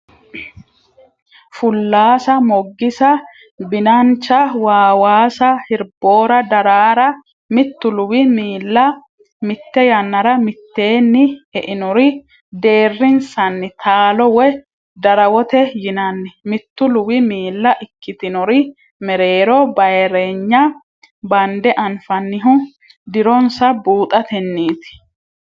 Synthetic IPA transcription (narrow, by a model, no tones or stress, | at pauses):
fʊlːaːsɐmɔɡːɪsɐ | bɪnɐnt͡ʃːɐwaːwaːsɐhɪɾbo̞ːɾɐd̪ɐɾaːɾɐ | mɪt̪ːʊlʊwɪmiːlːɐ | mɪt̪ːɛjɐnːɐɾɐmɪt̪ːe̞ːnːɪɛʔɪnɔɾɪ | d̪e̞ːrːɪnsɐnːɪt̪ʰaːlɔwɛ | d̪ɐɾɐwɔt̪ɛjɪnɐnːɛmɪt̪ːʊlʊwɪmiːlːɐʔɪkːɪt̪ɪnɔɾɪ | mɛɾe̞ːɾɔbɐjɾe̞ɲːɐ | bɐnd̪ɛʔɐnfɐnːɪɦʊ | d̪ɪɾɔnsɐbuːt̪ʼɐt̪ɛnːiːt̪ɪ̥